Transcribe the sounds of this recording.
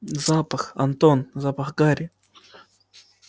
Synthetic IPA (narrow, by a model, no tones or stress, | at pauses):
zapɑχa̰nt̪onzapɑχɡaɾɪ